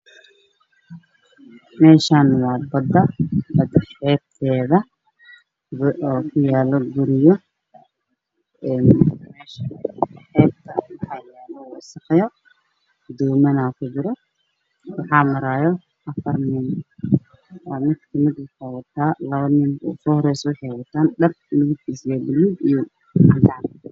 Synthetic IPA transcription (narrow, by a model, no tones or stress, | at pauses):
mɛːʃaːnwɑːbɐd̪ɐbɐd̪ɐħɛːb̚t̪ʰɛːðɐ | ɔːkʰʊjaːlɔɡʊɾɪjɔ | ɛːnmɛːʃɐħɛːb̚t̪ʰɐwɑħɑːjaːlɔwsɐqɛjɔ | d̪ɔːmɐnakʰʊd͡ʒɪɾɔ | wɑħɑːmɐɾaːjɔ | ʔɐfɐrnɪn | mɪd̪kʰɐmɪd̪ɪkʰawɐt̪ʰaːlɐβɐnɪmɔ̰sɔhɔɾɛjswʊħɛwɐt̪ʰaːnɖɐr | lʊɣʊt̪ʰisjɛːbɪlibijɔ | ɐnd̪aːn